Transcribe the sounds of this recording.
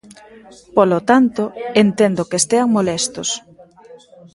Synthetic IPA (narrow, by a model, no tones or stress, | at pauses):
polot̪ant̪oent̪end̪okest̪eaŋmolɛst̪os